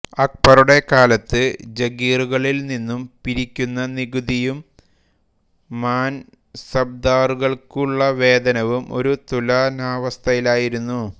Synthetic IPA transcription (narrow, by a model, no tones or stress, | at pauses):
ɐk̚pɐruɽe̞kaːlɐt̪ːɨd͡ʑɐɡiːruɣɐɭilninːumpiɾikʲːunːɐniɣud̪ijum | aːn | sɐb̚d̪aːruɣɐɭkuɭːɐʋe̞ːd̪ɐnɐʋumo̞̰ɾut̪ulanaːʋɐst̪ʰɐjilaːjiɾunːu